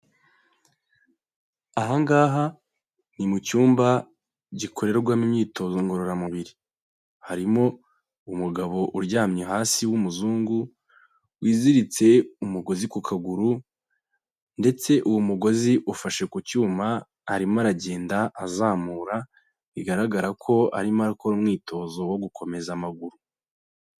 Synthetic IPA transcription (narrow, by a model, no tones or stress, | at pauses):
aɦaŋɡaːɦa | n̥imucuːmba | ɟikʰo̞ɾe̞ɾoɡwaːmimɲiːto̞zoŋɡo̞ɾo̞ɾamuβiɾi | haɾimo̞ | umuɡaβo̞ʔuɾɟaːmɲeɦaːsiwumuzuːŋɡu | wiːziɾit͡se̞umuɡo̞zikukʰaɡuɾu | nde̞t͡se̞ʔuwumuɡo̞ziʔufaʃe̞kucuːmaː | ɾimaɾaɟe̞ːndaʔazaːmuːɾa | βiɡaɾaɡaɾakʰo̞a̰ɾimaɾukoɾumŋiːtʰo̞ːzo̞woɡukʰo̞me̞zamaɡuɾu